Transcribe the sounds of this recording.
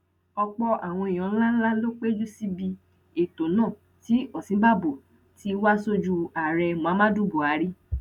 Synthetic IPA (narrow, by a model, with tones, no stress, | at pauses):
ɔ˧k͡pɔ˧ʔa˨w̃ɔ̃˧i˨j̃ɔ̃˨˧˦la˦la˦lo˦k͡pe˦d͡ʒu˦si˦bi˧ | e˨to˨nãː˦˨ | ti˨˦ɔ˦˨sĩ˨˦ba˦˨bo˨ | ti˨˦wa˦so˦d͡ʒu˧a˨ɾɛ˧mũ˨ã˨˦mã˦du˦bo˨a˨˦ɾi˦